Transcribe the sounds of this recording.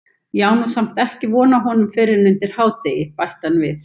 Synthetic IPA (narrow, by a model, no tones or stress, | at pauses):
jaːwnusam̥t̪ɛhcɪvɔːnaɦɔnʏmfɪɾɪɾnʏnt̪ɪɾ̥haːwt̪eːjɪpajht̪anvɪθ